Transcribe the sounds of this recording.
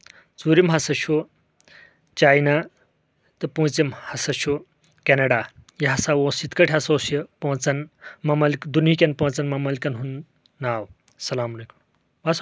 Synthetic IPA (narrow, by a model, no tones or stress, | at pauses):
t͡suːɾimɦɐsɐʃu | t͡ʃaːjna | t̪ɐpũːt͡simhɐsɐʃu | kenɐɽajiɦɐsawosit̪kɐʈʰʲɦɐsoːsipõːt͡sɐnmɐmɐlkd̪unikʲɐnpõːt͡sɐnmɐmɐlkɐnɦunː | aːw | sɐlaːmɐlekum | bas